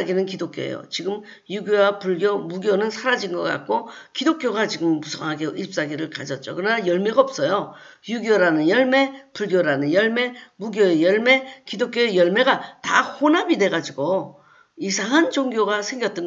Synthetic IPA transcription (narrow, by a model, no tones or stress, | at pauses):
aɡinɯnkidok͈jo̰ḛjo̰t͡ɕiɡɯm | juɡjowapuɭɡjomuɡjonɯnsʰaɾad͡ʑinɡʌk͈a̰k̚k͈okidok͈̚joɡat͡ɕiɡɯmːusʰʌŋɦaɡeip̚s͈aɡiɾɯɭkad͡ʑʌt̚t͡ɕ͈o̰kɯnajʌɭmeɡaʌp̚s͈ʌjo | juɡjoɾanɯnjʌɭme̞puɭɡjoɾanɯnjʌɭme̞muɡjoejʌɭme̞kidok͈joejʌɭme̞ɡatahonabide̞ɡad͡ʑiɡo | isʰaŋɦand͡ʑoŋɡjoɡasʰe̞ŋɡjʌt͈̚ʌn